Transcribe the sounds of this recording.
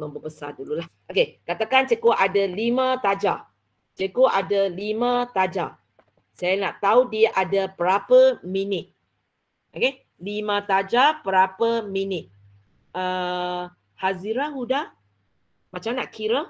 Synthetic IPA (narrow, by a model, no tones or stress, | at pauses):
məmbupəsa̰dululahʔokekat̪akant͡ʃekoʔadalimãt̪ad͡ʒa̰ | t͡ʃekoʔadalimãt̪ad͡ʒa̰ | sajanaʔt̪audiaʔadapəɾapəminɪt̪̚ | oke | limãt̪ad͡ʒapəɾapəminɪt̪̚ | ə | haziɾahuda | mat͡ʃamnaʔkiɾə